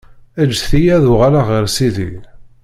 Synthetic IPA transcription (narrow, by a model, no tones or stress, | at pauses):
æd͡ʒːθijæðʊʁalaʁəɾsiði